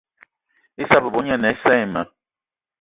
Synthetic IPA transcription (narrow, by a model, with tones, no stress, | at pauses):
i˦sa˦bɛ˨bɔ˨˦ɲa˦nɛ˨˦sɛː˦˨ma˨